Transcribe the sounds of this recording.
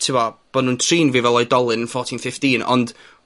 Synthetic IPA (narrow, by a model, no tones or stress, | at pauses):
tʰɪwɔb̥ɔnuntʰriːnviːvɛlˠɔjdɔlˠɨnənfɔtʰɪnfɪftiːnɔ̰nd̥